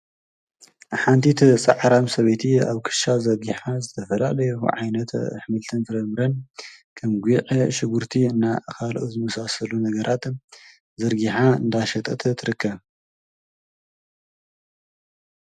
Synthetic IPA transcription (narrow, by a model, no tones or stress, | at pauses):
ħant̪ʰit̪ʰsʼɐʕɾamsɐβet̪ʰiaβkʰɨ̥ʃazɐɾɡiħazɨt̪ʰɐfɐla̰lɐjṵʕajnɐt̪ʰħmɨlt̪ʰɨnfɨɾɐmɨɾɐnkʰɐmɡʷiʕʃɪɡuɾt̪ʰiɨnːakʰalʔuzɨmɐsasɐlunɐɡɐɾʔat̪ | zɐɾɡiħaɨnd̪aʃɐt̪ʼɐt̪ʰɐt̪ʰɨɾɨkʰːɐβ